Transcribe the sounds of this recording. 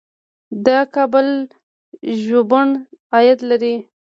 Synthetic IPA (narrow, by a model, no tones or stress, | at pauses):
d̪ɑkɑbəl | ʒobəɳɑjat̪laɾi